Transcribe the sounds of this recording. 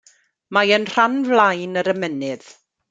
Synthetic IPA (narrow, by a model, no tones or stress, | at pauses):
majənr̥anvlajnəɾəmɛnɨð̥